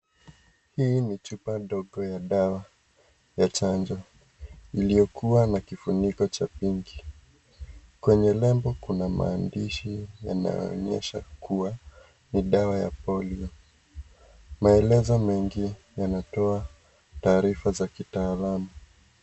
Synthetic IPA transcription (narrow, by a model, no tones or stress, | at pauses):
hiːnit͡ʃupaɗɔɠɔjaɗawa | jat͡ʃand͡ʒɔ | ilijɔkuwanakifunikɔt͡ʃapiŋɡi | kwɛɲɛlɛmbɔkunama̰ːndiʃija̰na̰jɔ̰ɔ̰ɲɛ̰ʃakuwa | niɗawaja̰pɔliɔ | maɛlɛzɔmɛŋɡi | janatɔa | taːɾifazakitaːlamu